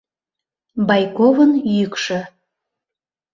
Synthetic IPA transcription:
bɑjkovənjykʃɤ̆

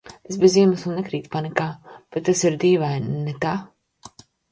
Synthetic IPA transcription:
esbeziɛmasunnɛkɾiːt̪panikaːb̥et̪̚ːasiɾd̪iːvajnɛt̪aː

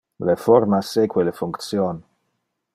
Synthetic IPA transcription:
lefɔɾmasekwelefuŋkt̪sjon

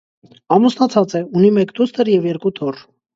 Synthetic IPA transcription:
ɑmusnɑt͡sʰɑt͡sɛunimɛkt̪ust̪ʰəɾjɛvjɛɾkut̪ʰɔr

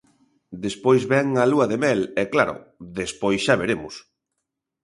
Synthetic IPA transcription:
d̪espojzβɛŋaluɐðemɛlɛklaɾʊ̰ðespojsʃaβeɾemʊ̰s

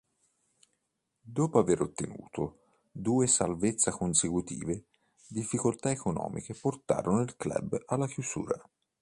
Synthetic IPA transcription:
d̪ɔːpoaveɾot̪ːenṵːt̪o | d̪uːesalvet̪sːakonsekut̪ḭːve | d̪ifːikolt̪aekonɔ̰ːmʔḭkeport̪a̰ːɾonoilklɛ̰balːakjuzṵːɾa

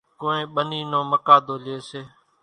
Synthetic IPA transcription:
koːnẽːɓəniːnõːməkaːd̪ʱoːlɪeːseː

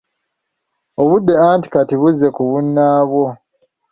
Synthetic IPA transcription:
oβudːe̞aːnti̥katiβuzːe̞kuβunːaːβwo̞

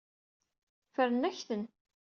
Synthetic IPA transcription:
fəɾənːæçθən

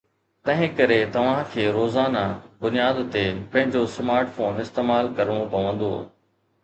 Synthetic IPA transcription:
t̪ɐ̃ɦɪ̃kɐɾet̪ɐʋ̤ãkʰeːɾoːzaːnabʊnijaːd̪t̪epɐ̃ɦɪ̃ɲd͡ʑosmaːɾʈfoːnɪst̪eːmaːlkɐɾəɽ̃opɐʋə̃nd̪o̰ː

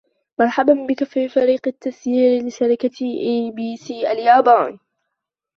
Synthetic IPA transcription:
mɑɾˤħabanbɪkafifaɾiːqɪt̪ːasjiːɾlɪʃaɾɪkaʔiːbiːsiːʔaljaːbaːn

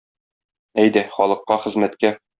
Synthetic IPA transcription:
æjd̪æχɒlˠɤ̆qːɑχɘ̆zmæt̪kæ

